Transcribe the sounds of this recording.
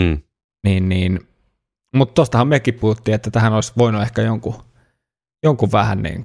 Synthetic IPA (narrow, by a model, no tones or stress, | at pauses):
niːnniːn | mut̪t̪ost̪ɑhɑmmyekippuhut̪ːiːet̪ːæt̪æhænoˑlisʋoinuehkæjoŋku | joŋkuʋʋæhæ̰nnḭːŋ